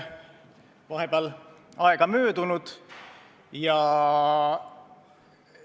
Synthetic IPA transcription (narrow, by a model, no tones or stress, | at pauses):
vɑɦebeɑlɑeɡ̥ɑmøːd̪̥unud̪̥ | jɑ